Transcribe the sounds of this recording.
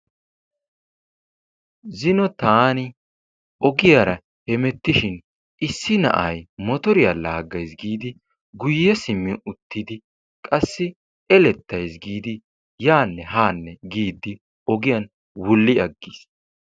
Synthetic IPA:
zɪnɔt̪aːnɪ | ʔɔɡɪjaɾɐ | hɛmɛt̪ːɪʃɪn | ʔɪsːɪnɐ̰ʔɐ̰jmɔt̪ɔɾɪjalaːɡːɐjsɡiːd̪ɪ | ɡʊjːɛsɪmːɪʊt̪ːɪd̪ɪ | kʼɐsːɪ | ɛlɛt̪ːɐjs̬ɡiːd̪ɪ | jaːnːɛhaːnːɛɡiːd̪ːɪ | ɔɡɪjɐn | wʊlːɪɐɡːis

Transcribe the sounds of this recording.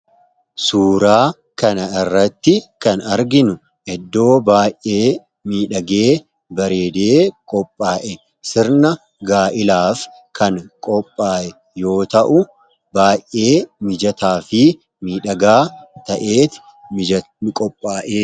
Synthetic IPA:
suːɾaː | kɐnɐɪrːɐt̪ːɪkɐnɐɾɡɪnʊ | ʔɛd̪ːo̞ːbaːjʔːe̞ː | miːᶑɐɡe̞ː | bɐɾe̞ːd̪eːkʼɔpʼːaːʔɛ | sɪɾnɐ | ɡaːʔɪlaːf | kɐŋkʼɔpʼːaːʔɛ | jo̞ːt̪ɐʔʊ | baːjʔʔːe̞ːmɪd͡ʒɐt̪aːfɪ | miːᶑɐɡaːt̪ɐʔe̞ːt̪ɪ̥ | kʼɔpʼːaːʔeː

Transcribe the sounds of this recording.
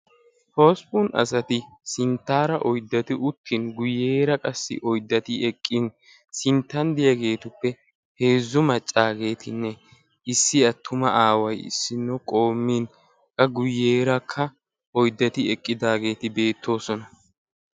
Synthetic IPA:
poːspunɐ̰sɐt̪ɪ | sɪnt̪ːaːɾɐʔɔjd̪ːɐt̪ɪʔʊt̪ʰːɪnɡʊjeːɾɐkʼɐsːɪ̰ʔɔjd̪ːɐt̪ɪɛkʼːɪn | sɪnt̪ːɐnd̪ɪjɐɡe̞ːt̪ʊpːɛ | he̞ːzːʊmɐt͡ʃʼːaːɡe̞ːt̪ʰɪnːɛ | ɪsːɪɐt̪ʰːʊmɐʔaːwɐjɪ̰sːɪnːɔkʼo̞ːmːiːn | kʼːɐɡʊjːeːɾɐkʰːɐ | ɔjd̪ːɐt̪ɪɛkʼːɪd̪aːɡe̞ːt̪ɪbe̞ːt̪ʰːo̞ːsɔnɐ

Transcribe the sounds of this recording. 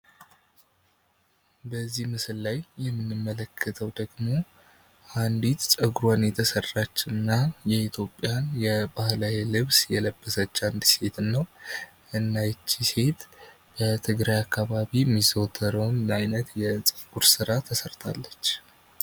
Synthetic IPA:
bəzːihmɨsɨllajːɛmːɨnːɨmːələkʰːət̪ʰəwd̪əɡmo̞ | ʔand̪it̪sʼəɡɾanjɛt̪ʰəsərːat͡ʃːnːajɛit̪ʰjo̞pʼːjanjɛbahlawelɨβsjɛləbːəsət͡ʃːand̪se̞t̪ʰɨnːəw | ʔɨnːajt͡ʃːise̞t̪ | b̥ət̪ʰɨɡɾajakʰːaβaβimːizowt̪ʰːəɾəwnːajnət̪jɛsʼɨɡuɾsɨɾat̪ʰəsəɾt̪ʰa̰lːət͡ʃː

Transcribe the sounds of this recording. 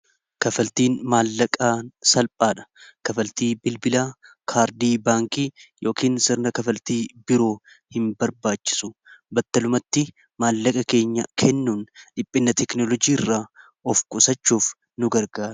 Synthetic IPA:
kɐfɐlt̪iːnmaːlːɐkʼaːsɐlpʼaːᶑɐ̥kɐfɐlt̪iːbɪlbɪlaː | kʰaːɾd̪iːbaːŋkiːjʔo̞ːkiːnsɪɾnɐkɐfɐlt̪iːbɪɾo̞ː | hɪmbɐɾbaːt͡ʃːɪ̥sʊ̥bɐt̪ːɐlʊmɐt̪ːɪ | maːlːɐkʼɐke̞ːɲːɐkʰɛnːuːnᶑɪpʼːɪnːɐt̪ɛknɔlɔd͡ʒiːɪrːaː | ɔfkʼʊsɐt͡ʃːuːf | nʊɡɐɾɡaːɾ

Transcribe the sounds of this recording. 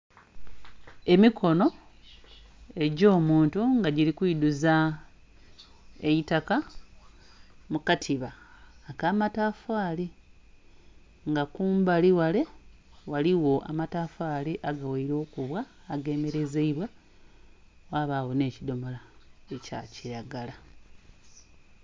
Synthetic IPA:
e̞mikʰo̞no̞ | e̞ɟo̞ːmuːntuŋɡaɟiɾikwiːduza | ejitaka | mukatʰiβaːkaːmataːfaːli | ŋɡakuːmbaliwale̞waliwo̞ʔa̰mataːfaːliʔaɡaweiɾo̞ːkuβwaː | ɡe̞ːme̞ɾe̞zeiβwa | waːβaɣo̞ne̞ːcido̞molae̞ca̰ciɾaɡala

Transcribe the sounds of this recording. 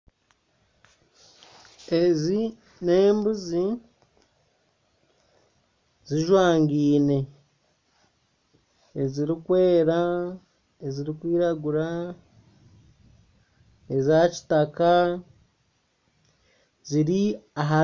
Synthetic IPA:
ezi | ne̞ːmbuzi | ziʒwaːŋɡiːne̞ | eziɾikwe̞ːɾa | eziɾikwiːɾaɡuɾa | ezaci̥taka | ziɾiaɦa

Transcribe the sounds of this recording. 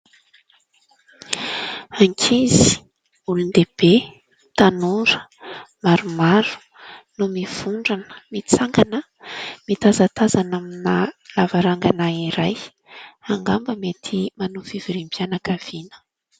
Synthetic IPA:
aŋkʰizi̥ | ulund̪eb̥e | t̪anuɾəmaɾumaɾu̥ | numiv̥uɳɖ͡ʐanə̥mit͡saŋɡanə | mit̪azat̪azanaminalavaɾaŋɡanaiɾaj | aŋɡambəmet̪ʰimanufiviɾimbjanakav̥inə̥

